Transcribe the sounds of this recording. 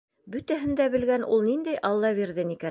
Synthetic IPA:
bɵ̆t̪æɦɘ̆nd̪æbɘ̆lɡænʔṵlˠnind̪æjʔɑlˠːɑβiɾðɘnikæn

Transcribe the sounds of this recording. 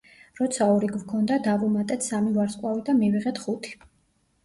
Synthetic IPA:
ɾɔt̪sʰaɔɾiɡvkʰɔnd̪ad̪avumat̪ʼɛt̪ʰsamivaɾsʼkʼwavid̪amiviʁɛt̪χut̪ʰi̥

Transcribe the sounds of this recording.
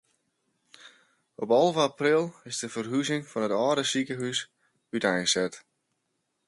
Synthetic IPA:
ɔpɑlˠvəaprilˠɪsdəvərɦyzɪŋfɔnətɔːdəsikəɦys | ytɛjsɛt

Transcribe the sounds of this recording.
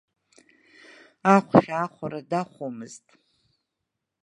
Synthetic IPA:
aχʷʃᶣaːχʷaɾadaχʷomɨztʼ

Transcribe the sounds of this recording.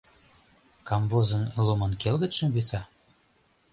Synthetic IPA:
kɑmvozə̆nlumɤ̆nkelɣə̆t̪ʃə̆mβit͡sɑ

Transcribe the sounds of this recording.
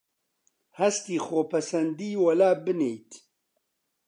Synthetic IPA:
hɐst̪iːxoːpʰɐsɐnd̪iːwɐlaːbɨneːjt̪ʰ

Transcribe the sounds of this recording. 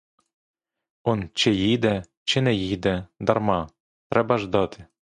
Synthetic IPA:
ɔnt͡ʃejid̪ɛ | t͡ʃɪnɛjid̪ɛd̪ɐrmɑ | t̪ɾɛbɐʒd̪ɑt̪ʰɪ̥

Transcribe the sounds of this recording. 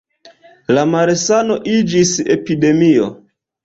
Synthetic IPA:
lamaɾesano̞ʔid͡ʒisḛpide̞mio̞̰

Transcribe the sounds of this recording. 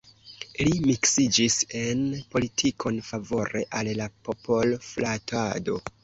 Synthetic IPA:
limiksid͡ʒise̞npo̞litʰikʰo̞nfavo̞ɾe̞ʔallapo̞po̞lflatado̞

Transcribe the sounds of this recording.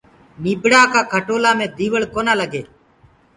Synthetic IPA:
niːbɽaːkaːkʰəʈoːlaːmẽːd̪iːʋəɭkoːnaːləɡeː

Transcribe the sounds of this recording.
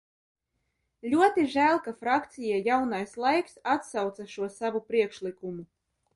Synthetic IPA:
lʲuɔt̪iʒæːlˠkafɾakt̪sijajawnajslˠajksat̪sawt̪saʃuɔsavupɾiɛkʃlʲikumu

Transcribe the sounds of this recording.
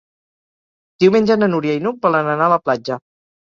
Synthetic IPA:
d̪̥iwmenʲd͡ʒənənuɾiajnubɔlənənaələplad͡ʒə

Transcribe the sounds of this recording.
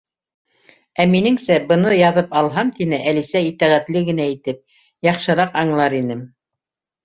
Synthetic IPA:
æminɘŋsæbɤ̆nɤjɑðɤpɑlˠɦɑmt̪inɘʔælisæit̪æʁæt̪lɘɡɘ̆næit̪ɘp̚ | jɑχʃɤ̆ɾɑqɑɴlˠɑɾinɘm

